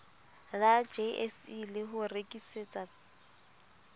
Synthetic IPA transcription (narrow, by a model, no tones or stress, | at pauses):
lad͡ʒeɛsilɪɦʊrekʼiset͡sʼa